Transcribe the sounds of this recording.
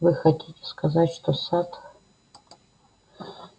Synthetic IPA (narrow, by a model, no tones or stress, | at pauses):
vɨxɐtʲʰitʲeskɐzatʲʂt̪osat̪x